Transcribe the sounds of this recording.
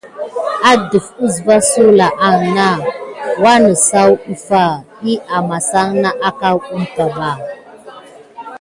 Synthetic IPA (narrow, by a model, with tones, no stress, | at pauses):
a˦də˨fu˦zva˦so˦la˨ʔa˨ŋna˦wa˦nə˨sa˦wu˦fa˦˨ | i˦ʔa˨ma˨sa˦ŋna˦ʔa˦ka˦wu˦mta˨ba˨